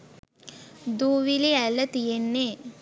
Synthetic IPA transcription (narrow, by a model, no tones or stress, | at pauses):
d̪uːʋiliɛlːɐt̪ijenːeː